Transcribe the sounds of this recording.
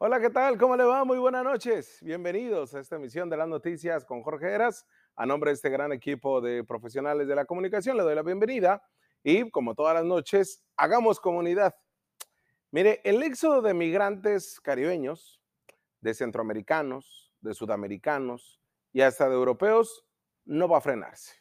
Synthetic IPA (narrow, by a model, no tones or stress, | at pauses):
o̞laket̪alk̬o̞mo̞le̞βamujβwe̞nazno̞t͡ʃe̞sbje̞mbe̞niðo̞saest̪aemis̬jo̞nd̪e̞lazno̞t̪isjasko̞ŋxo̞ɾxeɾas | a̰nõmbɾeest̪eɣɾane̞kipoðe̞pɾo̞fe̞s̬jo̞nale̞zðe̞lako̞mũnikas̬jo̞nle̞ðojlaβje̞mbe̞niða | iko̞mo̞t̪o̞ðalazno̞t͡ʃe̞s | aɣamo̞sko̞mũniðað | miɾe̞ʔele̞ksoðoðe̞miɣɾant̪e̞skaɾiβ̞e̞ɲos | ðe̞se̞nt̪ɾoame̞ɾikano̞s | ðe̞suðame̞ɾikanos | iast̪aðeewɾo̞pe̞os | no̞βaːfɾe̞na̰ɾse̥